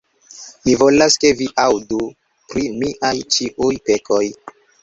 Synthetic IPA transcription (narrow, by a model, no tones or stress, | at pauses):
mivo̞laske̞viʔawdu | pɾimiʔajt͡ʃiʔujpe̞kʰo̞j